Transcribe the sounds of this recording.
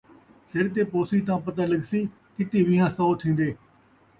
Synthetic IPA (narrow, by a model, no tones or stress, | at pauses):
sɪɽt̪̬eːpoːsiːt̪̬ãːpət̪aːləɡsiː | kɪt̪iːʋɪ̃ːãːsoːt̪ʰĩːnd̪eː